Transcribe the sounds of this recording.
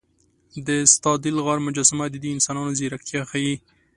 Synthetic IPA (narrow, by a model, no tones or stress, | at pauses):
d̪əst̪ɑd̪ɪlɣɑɾmʊd͡ʒɑsɪmad̪əd̪iɪnsɑnɑnozeɾak̚t̪jɑxaji